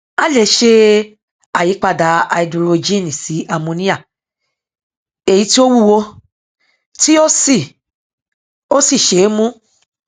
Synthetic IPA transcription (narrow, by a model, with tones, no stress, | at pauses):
a˦le˧˨˦ʃe˦ | a˨ji˨˦k͡pa˧˨da˨˦a˧i˧˨du˨˧ɾo˧d͡ʒi˦nĩ˨si˨˦ʔa˧˨mõ˧nĩ˦a˦˨ | e˨ji˨˧˦ti˦o˦wu˦˨wo˧ | ti˦o˦si˦˨ | o˦si˦˨ʃe˨˦mũ˦